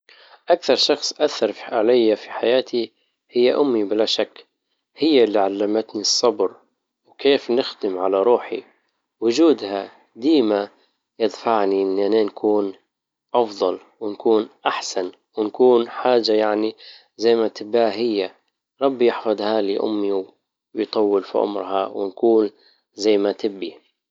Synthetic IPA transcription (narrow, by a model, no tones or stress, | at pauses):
ʔakθɑɾˤʃɑxsˤʔaθːɑɾˤfʕalajːafi̥ħajaːt̪i | hɪjːaʔʊmːibɪlaʃakː | hɪjːaliʕalːamat̪nisˤːɑbɾ | wkeːfnɪxd̪ɪmʕalaɾˤuːħḭ | wʊd͡ʒuːd̪ha | d̪iːma | jɪd̪faʕniʔɪnːʔaneːnkʰuːn | ʔɑfðˤɑl | wɪnkuːnʔaħsan | wɪnkuːnħaːd͡ʒajaʕni | zajːmat̪ɪbaːɦɪjːa | ɾˤɑbːjɪħfɑd̪ˤhaːliʔʊ̰mːiw | jt̪ˤɑwːɪlfḭʔʊ̰mɾhɑwɪnkuːn | zajːmat̪ɪbːi